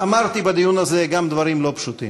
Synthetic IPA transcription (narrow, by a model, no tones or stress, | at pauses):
amaʁt̪ibed̪ijunazeɡamd̪vaɾimlo̞pʃut̪ḭm